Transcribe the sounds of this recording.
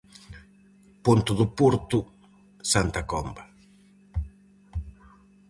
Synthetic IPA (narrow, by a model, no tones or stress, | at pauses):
punt̪ʊðʊpuɾt̪ʊ | sant̪akɔmbɐ